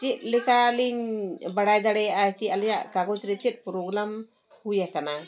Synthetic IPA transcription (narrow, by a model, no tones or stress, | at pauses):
t͡ʃit̪̚lɛkaliɲbaɽajd̪aɽɛjaʔat̪ialijaʔkaɡɔt͡ʃɾɛt͡ʃɛt̪̚ˀpɾoɡɾam | hujakana